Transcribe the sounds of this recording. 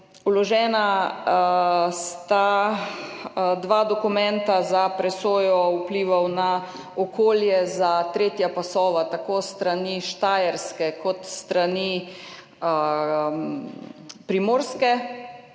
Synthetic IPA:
ulɔʒɛːna | st̪a | d̪ʋaːd̪ɔkumɛ̃nt̪azapɾɛsoːjɔupliːʋawna | ɔkʰoːljɛzat̪ɾeːt̪japasɔːʋat̪akost̪ɾaniʃt̪aːjɛɾskɛkɔt̪st̪ɾani | pɾimoːɾskɛ

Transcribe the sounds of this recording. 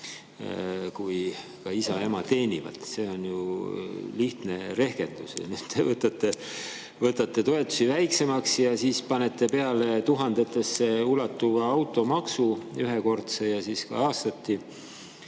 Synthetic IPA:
kuj | kɑisɑe̞mɑt̪e̞ːnʲivɑ̰t̪se̞o̞nju | liht̪ne̞ɾe̞hke̞nd̪̥usɑ̰nyːd̪̥t̪evɤt̪ːˑɑt̪ːˑe̞ | vɤt̪ːˑɑt̪ːe̞t̪o̞e̞t̪ːˑu̥sivæjkse̞mɑksjɑsiːspɑne̞t̪ːˑe̞pe̞ɑle̞t̪uɦɑnd̪̥e̞t̪ːˑe̞sːe̞ulɑt̪ːuvɑɑwt̪ːˑo̞mɑksuyɦeko̞rt̪sejɑsiːskɑ̰ɑːst̪ɑt̪ːi

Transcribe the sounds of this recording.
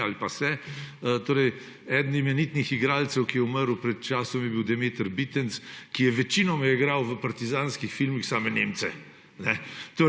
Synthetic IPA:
alpasɛt̪oːɾɛj | ɛd̪nimɛnit̪nixiɡɾaːlt̪sɛwkijɛuməɾwpɾɛt̪̚t͡ʃaːsɔmjɛbiwd̪ɛmeːt̪əɾbit̪ənskijɛʋɛt͡ʃinɔmɛjɛiɡɾawʋəpaɾt̪izaːnskixfilmixsaːmɛneːmt̪sɛ | nɛt̪o

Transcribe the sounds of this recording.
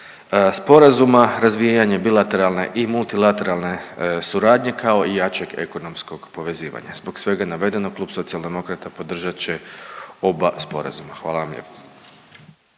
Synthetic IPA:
spo̞ɾazumaɾazʋijaɲe̞bilˠat̪e̞ɾalˠne̞̰ʔimulˠt̪ilat̪e̞ɾalˠne̞suɾaːd̪ɲe̞kʰao̞ijaːt͡ɕe̞ɡe̞̰ko̞no̞msko̞ɡpo̞ʋe̞ziːʋa̰ɲa̰zbo̞ksʋe̞ɡanaʋe̞d̪e̞no̞klˠuːbso̞t̪sialˠd̪e̞mo̞kɾat̪apo̞d̪r̩ʒat͡ɕeo̞baspo̞̰ɾa̰zumaxʋaːlˠaʋamʎḛpo̥

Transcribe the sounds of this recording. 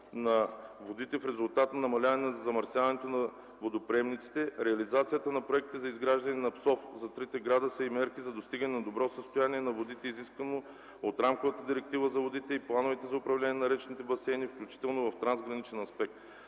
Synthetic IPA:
nɐvod̪it̪ɛfɾɛzʊlˠt̪at̪nɐnɐmɐlʲavɐnɛnɐzɐzɐmɐɾsʲjavɐnɛt̪onɐ | vod̪opɾɛmnit̪si̥t̪ɛɾɛɐlizat̪sijət̪ənɐpɾoɛk̚t̪ɛzɐizɡɾaʒd̪ɐnɛnɐpsɔfzɐt̪ɾit̪ɛɡɾad̪əsəimɛɾkizɐd̪ost̪iɡənɛnɐd̪obɾɔsəst̪ojaniɛnɐvod̪it̪ɛiziskvɐno | ot̪ɾamkovət̪əd̪iɾɛk̚t̪ivəzɐvod̪it̪ɛiplˠanovɛt̪ɛzɐʊpɾɐvlʲɛnʲiɛnɐɾɛt͡ʃɛnit̪ɛbɐsɛnifklʲut͡ʃi̥t̪ɛlˠnovɐft̪ɾanzɡɾɐnit͡ʃɛnɐspɛk̚t̪

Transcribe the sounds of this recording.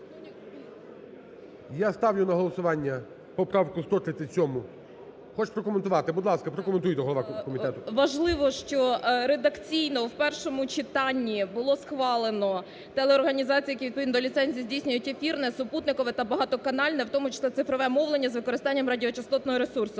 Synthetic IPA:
jast̪ɑwjʲʊnɐɦɔlˠɔsʊʋɑnʲːɐ | pɔpɾɑʋkʊst̪ɔt̪ɾɪt̪ʲɐt͡sʲɔmʊ | xɔt͡ʃpɾɔkɔment̪ʊʋɑt̪ɪbʊd̪lˠɑskɐpɾɔkɔment̪ujt̪ɛɦɔlɔʋɑkɔmʲiɛt̪ʊʋɐʒlˠɪʋɔʃt͡ʃɔɾed̪ɐkt͡sʲijnɔwpɛrʃɔmʊt͡ʃɪt̪ɑnʲːibʊlˠɔsxʋɑlˠenɔ | t̪ɛlˠeɔrɦɐnʲizɑt͡sʲijɐkiʋʲid̪pɔʋʲid̪nd̪ɔlʲit̪sɛnʲzʲijizʲdʲijsʲnʲʊjʊtʲefʲirnɛsʊput̪nɪkɔʋɪt̪ɐbɐɦɑt̪ɔkɐnɑlʲnɛwt̪ɔmʊt͡ʃɪ̥sˠɛsɪfɾɔʋɛmɔwlˠenʲːɐzʋɪkɔɾɪst̪ɑnʲːɐmrɐdʲiɔt͡ʃɐst̪ɔt̪nɔɦɔɾesursʊ

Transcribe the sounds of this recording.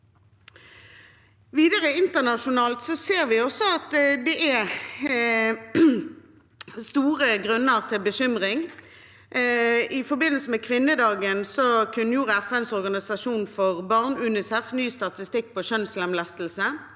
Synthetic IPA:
ʋiːd̪əʁəɪnt̪əʁnɑʃʊnɑːlt̪sɔseːʁʋɪɔsɔɑt̪d̪ɛʔæ | st̪uːʁəɡʁʉnːəʁt̪ʰɪlbəɕʏmʁɪŋ | ɪfɔbɪnːəlsəmɛkʰʋɪnːəd̪ɑːɡənsɔkʰʉnːəjuːʁəɛfɛnsɔʁɡɑnɪsɑʂuːnfɔʁbɑʁnʉːnɪsɛfnyːst̪ɑt̪ɪst̪ɪk̚ːpʰɔʃœnslɛmlɛst̪l̩sə

